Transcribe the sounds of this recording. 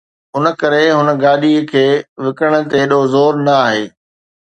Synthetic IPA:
ɦʊnə̆kɐɾeɦʊnə̆ɡaːɗikʰeːʋɪkəɽ̃ə̆t̪eɗozoːɾnɐaːɦeː

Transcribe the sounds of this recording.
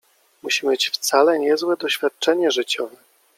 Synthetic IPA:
muɕimjet͡ɕft̪salɛɲɛzwɛd̪ɔɕfʲjat̪̚t͡ʂɛɲɛʐɘt͡ɕɔvɛ

